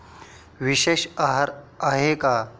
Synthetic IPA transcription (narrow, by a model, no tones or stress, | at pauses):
ʋiʃeːʃaɦɾaɦeka